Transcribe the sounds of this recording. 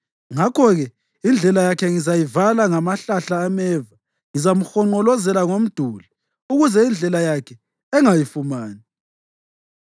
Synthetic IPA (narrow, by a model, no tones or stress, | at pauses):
ŋakʰɔɣɛ | ind͡ɮʱɛlajakʰɛŋizajivalaŋamaɬaɬaːmɛːva | ŋizamuxɔŋ͡ǃɔlɔzɛlaŋom̩d̥ʱuli | uɣuzɛind͡ɮʱɛlajakʰɛ | ɛŋajifumaːni